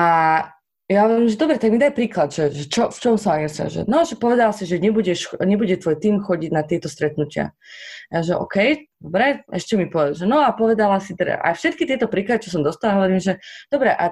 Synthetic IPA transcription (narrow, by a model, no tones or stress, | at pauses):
a | jaɦɔʋɔɾiːmʒɛd̪ɔbɾɛt̪aɡmid̪ajpɾiːklad̪ʒɛʒɛt͡ʃɔft͡ʃɔmsaaɡasa̰ʒɛ̰nɔʒɛpɔʋɛd̪alasiʒɛɲɛbuɟɛʃɲɛbuɟɛt̪ʋɔːjt̪iːmxɔɟiɟnat̪ɪɛt̪ɔst̪ɾɛt̪nucɪa̰ | aʒɛʔɔ̰kɛjd̪̥ɔbɾɛɛʃcɛmipɔʒɛnɔapɔʋɛd̪alasit̪ɛda̰ʔa̰jfʃɛt̪̚kit̪ɪɛt̪ɔpɾiːklad̪it͡ʃɔs̬ɔmd̪ɔst̪alaɦɔʋɔɾiːmʒɛd̪̥ɔbɾɛʔa